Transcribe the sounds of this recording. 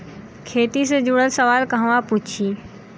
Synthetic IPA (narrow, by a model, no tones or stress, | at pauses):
kʰeːt̪ised͡ʒʊɽəlsəʋaːlkɐɦʋãpuːt͡ʃʰi